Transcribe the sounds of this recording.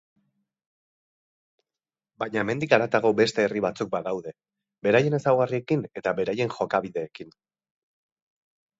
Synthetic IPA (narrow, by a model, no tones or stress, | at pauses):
bajɲaeme̞nd̪ikaɾat̪aɣo̞be̞st̪e̞ːriβat͡suk̚baðawðe̞ | be̞ɾaje̞ne̞sawɣarie̞kine̞t̪aβe̞ɾaje̞nxo̞kaβiðe̞ːkin